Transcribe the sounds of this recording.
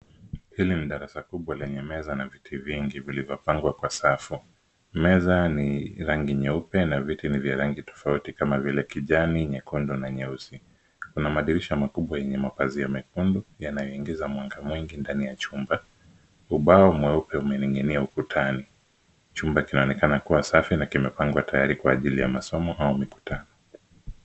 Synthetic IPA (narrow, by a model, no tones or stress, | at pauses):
hiliniɗaɾasakuɓwalɛɲɛmɛzanavitʰiviŋɡivilivjɔpaŋɡwakwasafu | mɛzaniɾaŋɡiɲɛupɛnavitinivjaɾaŋɡitɔ̥fautikamavilɛkiʄaniɲɛkundɔnaɲɛusi | kunamaɗiɾiʃamakuɓwajɛɲɛmapazijamɛkundɔjanajɔiŋɡizamwaŋɡamwiŋɡindanijat͡ʃumba | uɓaɔmwɛupɛumɛniŋɡiniaukutʰani | t͡ʃumbakinaɔnɛkanakuwasafinakimɛpaŋɡwatajaɾikwaːʄilija̰masɔmɔʔaumiku̥tanɔ